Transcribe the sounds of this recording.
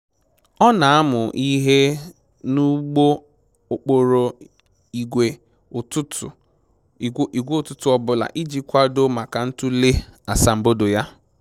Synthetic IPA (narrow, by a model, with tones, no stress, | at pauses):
ɔ˦na˨a˦mʊ˨ʔi˦ɦe˦ | nu˦ɡ͡bo˦ | o˨k͡po˨ɾo˨ | i˨ɡʷe˨ | tʊ˦tʊ˨˦ | i˨ɡʷe˦o˨tʊ˦tʊ˨ɔ˦bʊ˨la̰˨ʔi˦d͡ʒi˦kʷa˦do˦ma˨ka˨n̩˦tʊ˦le˦a˨sa˨m̩˨bo˦do˨ja˦